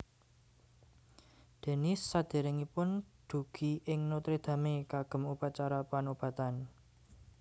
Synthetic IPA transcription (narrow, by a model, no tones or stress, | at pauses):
d̪̥e̤nɪsːad̪̥e̤ɾɪŋipʊnd̪̥ṳɡ̥iʔɪŋnot̪ɾed̪̥ä̤mekaɡ̥ə̤mupat͡ʃaɾapanob̥ä̤t̪an